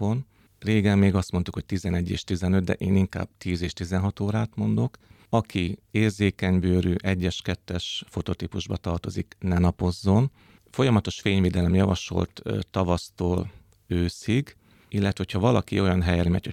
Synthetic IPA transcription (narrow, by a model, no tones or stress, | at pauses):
on | reːɡɛmːeːɡɒst̪mont̪ukho̞c̚t̪izɛnɛɟːḛːʃt̪izɛnø̞d̪̚d̪ɛ̰ʔeːniŋka̰ːb̥̚t̪iːzeːʃt̪izɛnɦɒt̪oːɾaːt̪mo̞nd̪o̞k | ɒkʰieːrzeːkɛɲbøːɾyːʔɛɟːɛʃkɛt̪ːɛʃfo̞t̪o̞t̪ipuʒbɒ̰t̪ɒrt̪o̞zḭknɛnɒpo̞zːo̞n | fo̞jɒmɒt̪o̞ʃfeːɲveːd̪ɛlɛmjɒvɒ̰ʃo̞̰lt̪ːt̪ːɒvɒst̪oːl | øːsiɡ | ilːɛt̪ʋɛɦo̞cʰhɒvɒlɒkḭo̞jɒnɦɛjɛlmɛ̰cho